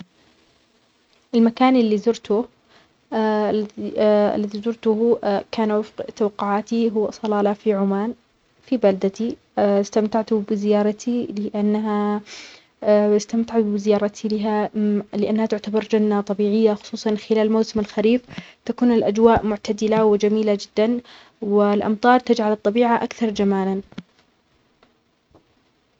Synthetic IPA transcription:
ʔɪlmakaːnʔɪlːiːzʊɾt̪ʊ | a̰lːaðizʊɾt̪ʊhkaːnwɪfqt̪awɑqːʊʕaːt̪iɦʊwːsˤɑlɑːlafiʕʊmaːn | fibald̪at̪i | st̪amt̪aʕt̪ʊbɪzɪjɑːɾˤɑt̪ʰilɪʔanːaɦa | ɪst̪amt̪aʕbɪzɪjɑːɾˤɑt̪ʰilɪɦalɪʔanːhat̪ʊʕt̪abɑɾˤd͡ʒanːat̪ˤɑbiːʕɪjːaxʊ̥sˤuːsˤɑnxɪlaːlmawsɪmalxaɾiːft̪akuːnɪlʔad͡ʒwaːʔmʊʕt̪ad̪ɪlawɪd͡ʒamiːlad͡ʒɪd̪ːan | wɪlʔɑ̰mt̪ˤɑːɾˤt̪ad͡ʒʕalɨt̪ˤːɑbiːʕaʔakθɑɾˤd͡ʒamaːlan

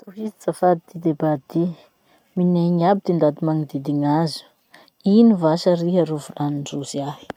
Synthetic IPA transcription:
t̪uɦizit͡safad̪id̪id̪ebad̪i | mineɲabid̪̥ind̪ad̪imaŋid̪id̪iŋazu̥ | inivaʃaɾiɦaɾuvulaninɖ͡ʐuziahi̥

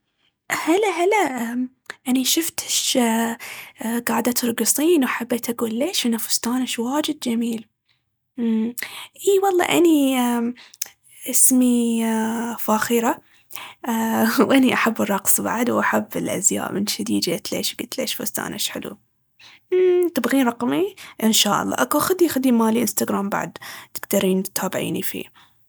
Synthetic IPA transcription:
halaɦala | ʔaniʃʊft̪ɪ̥ʃ | ɡaːʕd̪at̪ɾˤɡɨsˤiːnwaħabːet̪ʔaɡuːlːeːʃʔɪnːafʊ̥st̪aːnaʃwaːd͡ʒɪd̪̚d͡ʒamiːl | ʔiːwɑlˤːɑ̰ːʔani | ʔɪsmi | faːxiːɾa | wʔaniʔaħabːɨrˤːɑqsˤba̰ʕd̪wʔaħabːɪlʔa̰zja̰ːʔmɪnʃad̪iːd͡ʒ̪aʔat̪lḛːʃbɪt̪leːʃfṵst̪a̰ːnʔaʃħɪlṵ | t̪ɪbɣiːnɾˤɑqmiʔɪnʃaːʔɑ̰lˤːɑ̰ːʔakuʔxʊd̪iʔxad̪imaːliʔɪnst̪aɡɾaːmba̰ʕd̪t̪ɪ̥ɡt̪ɑɾiːnt̪ʰaːbɪʕḭːnifḭː

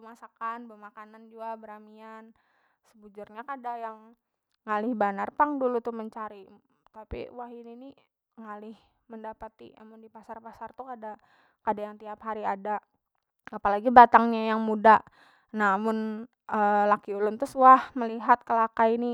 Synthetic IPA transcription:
bəmasakanbəmakanand͡ʒuabəɾamian | səbud͡ʒʊrɲakadajaŋ | ŋalɪhbanarpaŋdulut̪ʊhməɲt͡ʃaɾi | t̪apḭwaɦinini | ŋalɪh | məndapət̪ḭa̰mʊndipasarpasart̪ukada | kadajaŋt̪iapɦaɾiada | apalaɡibat̪aŋɲajaŋmuda | nahmʊn | əlakiulʊnt̪ʊswahməliɦat̪̚kəlakaini

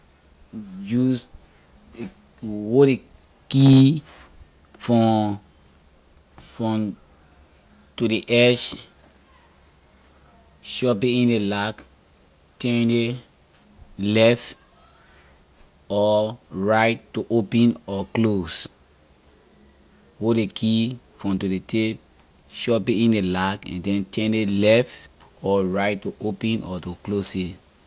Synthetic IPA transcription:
d͡ʒus | e | wode | ki | fɔ | fɹɔ̃m | tudiʔɛʃ | ʃɔpĩĩndelak | tɛ̃nde | lɛft | ɔɹaɪttːuʔopɛ̃nɔklos | wodekʰi | fɹɔ̃mtudetʰep̚ | ʃɔpiĩndelakɛ̰̃ndɛ̃ntɛ̃ndelɛftɔɹaɪtːuʔopɛ̃nʔɔtuklose

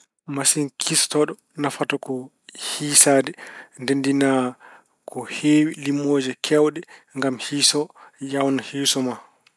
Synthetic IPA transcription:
masinkʰistɔɗɔ | nafatɔkɔ | hiːsaːdɛndendina | kʰɔheːwilimːoːd͡ʒɛkʰɛwɗɛŋɡamhiːsɔjawnahisɔma

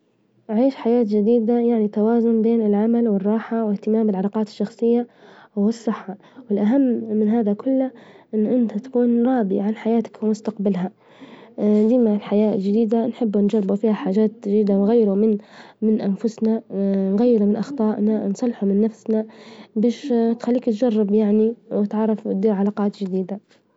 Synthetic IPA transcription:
ʔʕiːʃħajaːt̪d͡ʒɪd̪iːd̪ajaʕnit̪ːawaːzʊnbeːnɪlʕamalwɪrˤːɑːħawɪht̪ɪmaːmbɪlʕɑlɑːqɑːt̪ɪ̥ʃːɑxsˤɨjːawɪsˤːɨħːɑ | wɪlʔaɦamːɪnɦaːðakʊlːaʔɪnːʔɪnt̪at̪ḁkuːnɾˤɑːbḭʕanħajaːt̪ḁkwmʊst̪aqbalɦa | d̪iːmalħajaːld͡ʒɪd̪iːd̪anħɪbːnd͡ʒɑrːˤɪbufiːhaħaːd͡ʒaːt̪d͡ʒd̪iːd̪awɣajːɾumɪnmɪnʔanfʊsnanɣajːɪɾumɪnʔɑxt̪ˤɑːʔnansˤɑlħumɪnːafsnabaːʃt̪xalːiːkt̪d͡ʒɑrˤːɪbjaʕniwɪt̪ʕɑrˤːɑft̪̚d̪iːɾʕalaːqɑːt̪d͡ʒɪd̪iːd̪a

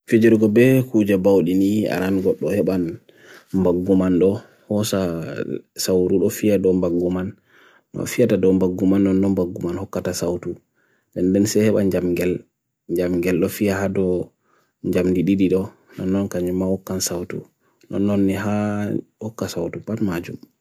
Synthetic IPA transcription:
fid͡ʒiɾɡɔbɛkud͡ʒɛbawɗinia̰ɾanɡɔɗːɔhɛɓan | mbaɡːumanɗɔ | hɔsa | sawtuɗɔfijadɔmbaɡːumanː | ɔ̰fijatadɔmbaɡːumanːɔnːɔmbaɡːumanhɔkːatasawtu | dɛndɛnsɛhɛɓa̰nd͡ʒamɡɛl | ɲd͡ʒamɡɛlɗɔfijahadɔ | ɲd͡ʒamdiɗiɗiɗɔ | nɔnːɔnkaɲɛmahɔkːansawtṵ | nɔ̰nːɔnːiɦahɔkːasawtupatmad͡ʒum

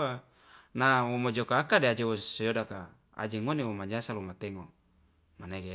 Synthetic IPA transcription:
a | nawomod͡ʒokaːkadead͡ʒewosojodaka | a̰d͡ʒeŋonewomad͡ʒasalomat̪eŋo | maneɡe

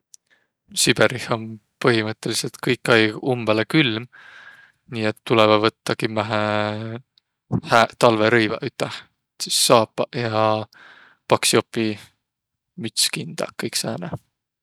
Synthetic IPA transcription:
sib̥erihonpɤɦimɤt̪ːˑe̞liselt̪kɤjkːɑjɡumb̥elekylm | niːet̪ːulevɑvɤt̪ːɑkimæɦæ | hæt̪ɑlveɾɤjvɑ̰ʔyt̪ːˑɑh | sisːɑːpːɑʔjɑ | pɑksjo̞pːi | myt̪skind̪̥ɑ̰kːɤjksæːnḛ

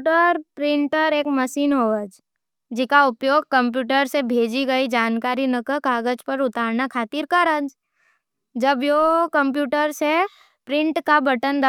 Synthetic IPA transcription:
ʈəɾpɾɪ̃ɳʈəɾeːkməʃiːnɦoːəd͡ʒ | d͡ʒɪkaʊpjoːɡ̚kə̃mp̬juːʈəɾsebʱeːd͡ʒiɡɐid͡ʒaːnkaːɾinəkəkaːɡəd͡ʒpəɾʊt̪aːɾnakʰaːt̪iɾkəɾə̃d͡ʒ | d͡ʒəbjokə̃mpjuːʈəɾse | pɾɪ̃ɳʈkabɐʈənd̪ə

